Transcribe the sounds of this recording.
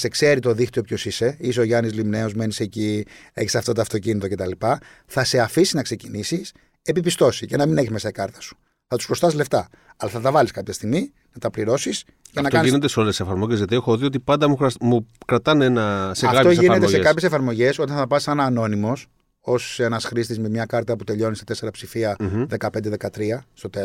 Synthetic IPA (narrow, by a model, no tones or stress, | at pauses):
se̞kse̞ɾit̪o̞ðixt̪io̞pço̞sise̞is̬eoʝɐnizlimne̞o̞zme̞nise̞cie̞çi̥sɐft̪ɐt̪̬oɐft̪o̞cinit̪o̞ce̞t̪ɐlipɐ | θɐse̞ɐfisiznɐkse̞cinisis | e̞pipist̪o̞sice̞nɐmineçizme̞sɐikɐɾt̪ɐ̥su̥ | θɐt̪u̥spɾost̪ɐsle̞ft̪ɐ | ɐlɐθɐt̪ɐvɐliskɐpçɐst̪iɣmi | nɐt̪ɐpliɾo̞sis | cenɐkoɐnisinet̪eseolessefɐɾmoʝezʝɐt̪iexoðio̞t̪̬ipɐnd̪ɐmumukɾɐt̪ɐnenɐseɐɣft̪oʝinet̪esekɐpçesefɐɾmo̞ʝe̞so̞t̪ɐ̃nθɐpɐssɐnɐːno̞nimo̞s | o̞se̞nɐsxɾist̪izmemɲɐkɐɾt̪ɐput̪e̞ʎo̞nist̪ɐt̪e̞se̞ɾɐpsifiɐðe̞kɐpend̪e̞ðe̞kɐt̪ɾiɐst̪o̞t̪e